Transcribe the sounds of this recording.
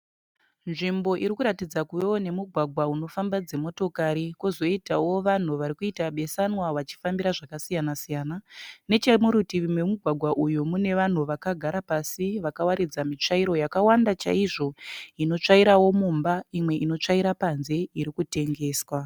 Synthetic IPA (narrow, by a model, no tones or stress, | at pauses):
nʐimbo̞ʔiɾikuɾatid͡zakuʋe̞wone̞muɡʱwaɡʱwauno̞fambad͡ze̞mo̞to̞kaɾikuzo̞itawo̞ʋan̤uʋaɾikuitaɓe̞sanwaʋat͡ʃi̥fambiɾaʐakasijanasijaːnane̞t͡ʃemuɾutiʋimwemuɡʱwaɡʱwaʔujumune̞ʋan̤uʋakaɡʱaɾapasiʋakawaɾid͡zamit͡ʂaiɾo̞jakawandat͡ʃa̰iʐo̞ino̞t͡ʂaiɾawo̞mumbaimwe̞ʔino̞t͡ʂaiɾapanze̞iɾikute̞ŋɡe̞ːswa